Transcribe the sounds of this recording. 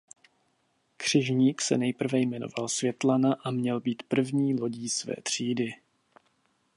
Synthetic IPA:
kr̝̥ɪʒɲiːksɛ̰nɛjpr̩vɛjmɛno̞̰valsvjɛt̪lanaʔamɲɛlbiːt̪pr̩vɲiːloɟiːsvɛ̰ːt̪r̝̥iːdɪ

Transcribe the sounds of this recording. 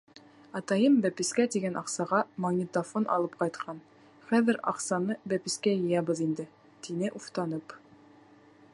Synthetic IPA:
ɑt̪ɑjɤmbæpiskæt̪iɡænʔɑqsɑʁɑmɐɡnʲɪt̪ɐfonʔɑ̰lˠɤp̚qɑjt̪qʰɑn | χæðɘɾɑ̰qsɑnɤbæpiskæjɤ̆jɑbɤzind̪ɘ | t̪inɘʔuft̪ɑnɤp

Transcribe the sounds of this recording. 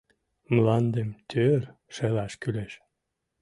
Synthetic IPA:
mlɑnd̪emt̪ʰør | ʃelɑʃkyleʃ

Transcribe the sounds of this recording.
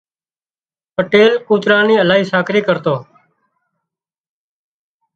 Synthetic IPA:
pəʈeːlkuːt̪ɾaːniːəlaːiːsaːkɾiːkəɾt̪oː

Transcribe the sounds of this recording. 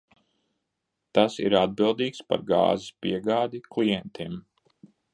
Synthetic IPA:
t̪asḭɾad̪̚bilˠd̪iːkspa̰ɾɡa̰ːzispiɛɡaːd̪iklˠijɛnt̪ʰim

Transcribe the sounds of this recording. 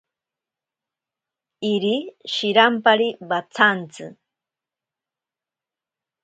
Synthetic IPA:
iɾiʃiɾampaɾibat͡sʰant͡sʰɨ̰

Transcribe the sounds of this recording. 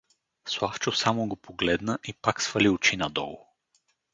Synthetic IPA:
slˠaft͡ʃofsamoɡopʰoɡlɛd̪nəʔipaksfɐliʊt͡ʃinɐd̪ɔ̰lˠʊ

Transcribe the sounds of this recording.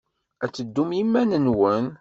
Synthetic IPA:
æt͡sːəd̪ːumimːænənwən

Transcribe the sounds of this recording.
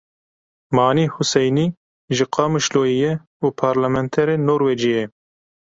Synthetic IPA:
mɑːniːhʊsɛjniː | ʒɨqʰɑːmɨʃloːjijɛ | uːpʰɑːɾlamɛnt̪ʰɛɾenoːɾwɛd͡ʒijɛ

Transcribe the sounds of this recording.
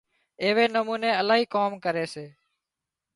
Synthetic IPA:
eːʋeːnəmuːneːəlaːɦiːkoːmkəɾeːseː

